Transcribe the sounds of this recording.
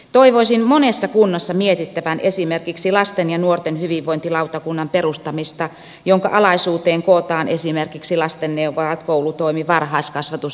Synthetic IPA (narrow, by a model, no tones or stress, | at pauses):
t̪oiʋoisinmonesːɑkunːɑsːɑmiet̪it̪ːæʋænesimerkiksilɑst̪enjɑnuort̪enhyʋiʋʋoint̪ilɑut̪ɑkunːɑmperust̪ɑmist̪ɑ | joŋkɑ̰ʔɑlɑisuːt̪eːŋkot̪ɑːnʔesimerkiksilɑst̪enːeuʋoɑt̪koulut̪oimiʋɑrhɑːskɑsʋɑt̪us